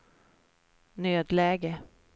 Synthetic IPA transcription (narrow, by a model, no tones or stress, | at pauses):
nøːd̪lɛːɡə